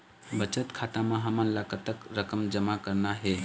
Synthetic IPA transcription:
bət͡ʃət̪kʰat̪ameɦəmənləkət̪əkɾəkəmd͡ʒəmakəɾnaɦe

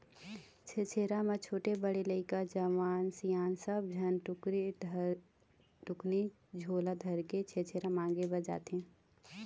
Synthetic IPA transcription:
t͡ʃʰet͡ʃʰeːɾamɐ̃t͡ʃʰoːʈebəɽeləɪkad͡ʒəʋaːnsijaːnsəb̚d͡ʒʱɐnʈɾ | ʈʊkni | d͡ʒʱoːlad̪ʱɐɾket͡ʃʰeːt͡ʃʰeːɾamãːŋɡebəd͡ʒa̰ːt̪ɦɛ̃ː

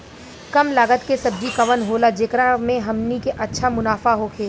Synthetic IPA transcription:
kɐmlaːɡət̪kesɐb̚d͡ʒikɐʋənɦoːlad͡ʒeːkɾamẽɦɐmnikeʔɐtːʃʰamʊnaːfaɦokʰeː

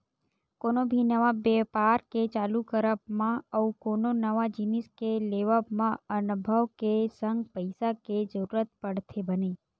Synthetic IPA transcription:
konobʱinəʋabepaɾket͡ʃaːlukəɾəpmãəukoːnonəʋad͡ʒɪnɪskeleʋəpmãənbʱəʋkesə̃ŋɡpəɪsaked͡ʒəɾuɾət̪pəɽt̪ʰebəne

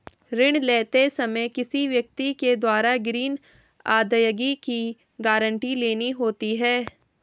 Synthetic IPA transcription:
ɾɪɽ̃leːt̪esɐməjkɪsiʋjɐk̚t̪iked̪waːɾaɡɾiːn | a̰ːd̪əjəɡiki | ɡaːɾə̃ɳʈileːniɦoːt̪iɦɛː

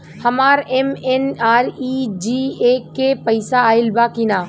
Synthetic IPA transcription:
hɐmaːɾemenaːɾid͡ʒiːekepəɪsaːɪlbaːkinaː

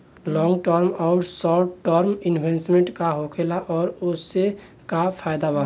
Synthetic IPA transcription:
lɔ̃ːŋɡʈəɾmɔʊɾsɔːʈʈəɾmɪnbʱẽsmẽɳʈkaɦokʰelaʔɔːɾʊsːe | kapʰaːjd̪aba

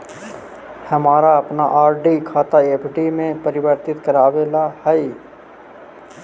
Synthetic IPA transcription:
hɐmaːɾaɐpnaʔaːɾɖikʰaːt̪aeːpʰɖimẽpɐɾɪbəɾt̪ɪt̪kəɾaːʋelahai

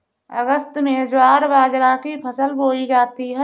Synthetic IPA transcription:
ə̰ɡəst̪mẽd͡ʒwaːɾʋaːd͡ʒɾakipʰəsəlboːid͡ʒaːt̪iɦɛ

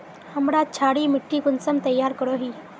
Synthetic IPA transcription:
həmɾat͡ɕʰaɽiːmiʈʰːikunsəmt̪əjːaɾkəɽoɦiː

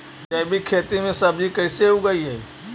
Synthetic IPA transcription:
d͡ʒɐbʱikʰeːt̪imẽsɐbd͡ʒikəːseɦuɡəiɦɛː

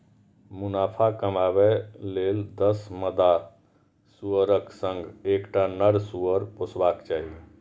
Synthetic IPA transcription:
munapʰakəmabɛleld̪əsməd̪a | suəɾəksə̃ŋɡekʈanəɾsuəɾposʰbakt͡ʃaɦi

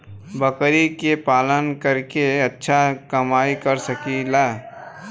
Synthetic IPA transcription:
bəkɾikepaːlənkəɾkeɐtːʃʰakɐmaːikəɾsəkilaː

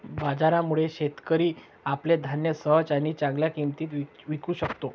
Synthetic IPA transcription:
bad͡zaɾamuɭeɕet̪kəɾiː | apled̪ʱanjəsəɦt͡saɽ̃it͡sãŋɡljakimt̪iːt̪ʋiʋikuːɕəkt̪o

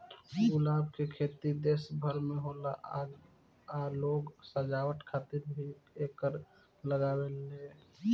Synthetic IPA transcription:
ulabkekʰet̪id̪esbʱəɾmeɦolaʔaɡ | aloɡsəd͡ʒawəʈkʰat̪iɾbʱiekəɾ | ləɡabelːe

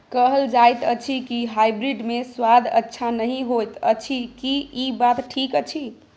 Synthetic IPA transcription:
kəɦəld͡ʒajt̪ət͡ʃʰikiɦajbɾiɖmeswad̪ʱə̰tːʃʰanəɦĩɦojt̪ə̰t͡ʃʰikiibat̪ʈʰikət͡ʃʰi

